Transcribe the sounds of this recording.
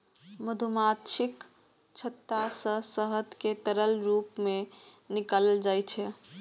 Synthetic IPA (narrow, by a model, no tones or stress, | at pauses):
məd̪ʱumat̪ʃik | t͡ʃʰət̪ːasə̃səɦəd̪ket̪əɾəlɾupme | nikaləld͡ʒajt͡ʃʰɛ